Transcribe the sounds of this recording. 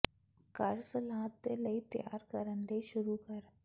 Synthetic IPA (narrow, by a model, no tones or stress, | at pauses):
kɐɾsəlãːt̪ːeləit̪ja̰ːɾkəɾəɳleʃʊɾukəɾ